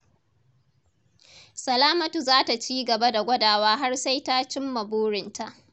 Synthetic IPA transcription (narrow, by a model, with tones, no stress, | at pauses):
sɐ˨laː˦mɐ˨tu˨zaː˦ta˨t͡ʃiː˦ɡɐ˨ba˦da˨ɡʷɐ˦daː˨waː˦ɦa˦rsa˦jta˦t͡ʃɪ˦mːɐ˨boː˦ɽɪ˨ntʰa˦˨ʔ